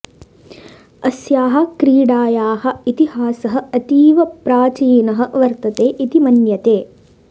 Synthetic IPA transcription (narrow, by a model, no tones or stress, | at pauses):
ɐsjaːɦɐ̆kɾiːɽaːjaːhɐ̆it̪ihaːsɐɦɐ̆ɐt̪iːʋɐpɾaːt͡ʃiːnɐɦɐ̆ʋɐɾt̪ɐt̪eːʔit̪imɐnjɐt̪eː